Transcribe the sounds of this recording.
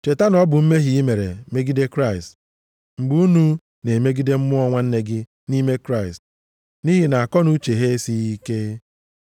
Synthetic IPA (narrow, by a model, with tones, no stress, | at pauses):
t͡ʃe˨ta˦nɔ˦bʊ˨m̩˦me˦ɦi˨i˦me˨ɾḛ˨me˦ɡi˦de˦kɾa˦˨ɪ˨st | ŋ͡m̩˨ɡ͡bu˦u˦nu˦ | ne˨me˦ɡi˦de˦m̩˦mʊ˦ɔ˦ŋʷa˦n̩˦ne˦ɡɪ˦ | ni˦me˦kɾa˦ɪ˨st̚ | ni˦ɦi˨na˨a˨kɔ˦nu˦t͡ʃe˨ɦe˦si˦i˦ke˦